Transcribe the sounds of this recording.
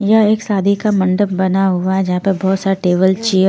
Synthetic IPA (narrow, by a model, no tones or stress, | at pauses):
jɐeːksaːd̪ʱikamɐ̃ɳɖəp̚bɐnaɦʊaɦɛd͡ʒɐɦãpebɔɦːt̪saʈeːʋəlt͡ʃiːə